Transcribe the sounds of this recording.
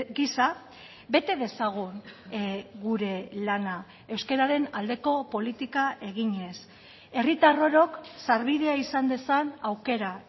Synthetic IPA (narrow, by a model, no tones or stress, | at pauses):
ɡisa | βe̞t̪e̞ðe̞saɣ̞un | ɣuɾe̞lana | e̞wske̞ɾaɾe̞nald̪e̞ko̞po̞lit̪ikaʔe̞ɣ̞iɲe̞s | e̞rit̪aro̞ɾo̞ksaɾβiðe̞aisand̪e̞sanawke̞ɾa